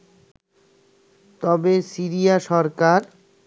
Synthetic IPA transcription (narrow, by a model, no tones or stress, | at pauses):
t̪ɔbesiɾijaʃɔɾkaɾ